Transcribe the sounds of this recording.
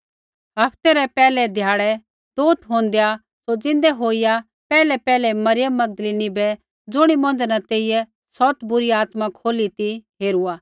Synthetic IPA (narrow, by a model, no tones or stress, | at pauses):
ɦɐpʰt̪ɛɾɛpɛːlɛd̪ʱjaːɽɛ | d̪̥oːt̪ɦõːnd̪eja | sod͡zɪ̃nd̪ɛɦoːija | pɛːlɛpɛːlɛmɐɾɪjəmːɐɡ̚d̪əliːnibɛ | d͡zʊɽ̃imɐ̃nd͡znat̪eːɪjɛ | sɔt̪bʊɾiaːt̪makʰoːlit̪iɦeːɾuaː